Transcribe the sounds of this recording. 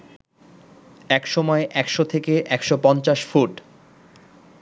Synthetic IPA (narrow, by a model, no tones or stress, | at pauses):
ɛkʃɔmɔeʔɛkʃot̪ʰekeʔɛkʃopɔnt͡ɕaʃfuʈ